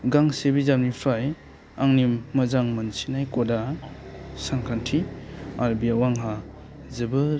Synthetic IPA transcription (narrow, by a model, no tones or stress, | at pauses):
ɡaŋsebizamnipʰaj | aŋnimːɐzaŋmɐnsinajkɔda | saŋkʰantʰiaɾbiawaŋɦa | zɯbɯ